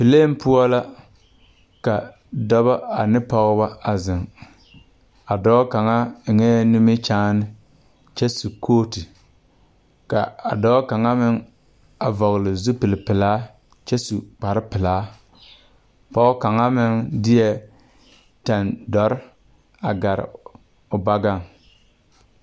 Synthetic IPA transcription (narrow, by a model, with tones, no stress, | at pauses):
pi˨leː˦m˦pʊ˦ɔ˦la˦ | ka˨ | dɔ˦βa˦a˨nɪ˦pɔ˦ɣba˦a˨zɪ˨ŋ | a˨dɔ˦ka˨ŋa˦˨ŋɛː˦nu˦me˦t͡ʃaː˦nɪ˦ | t͡ʃɛ˦su˨kʰoː˦ti˨ | ka̰˨a̰˨dɔ˦ka˨ŋa˦mɪ˦ŋ | a˨vɔ˨ɣlɪ˨zu˦pɪ˨lɪ˨pɪ˨laː˦ | t͡ʃɛ˦su˨k͡pa˨ɾɪ˦pɪ˨laː˨˦ | pɔ˦ɣʊ˦ka˨ŋa˦mɪ˦ŋdɪ˦jɛ˦ | ta˨ndɔ˨˦ɾɪ˦ | a˨ɡa˨ɾɪ̰˨ | ʊ˨ba˦ɡa˦˨ŋ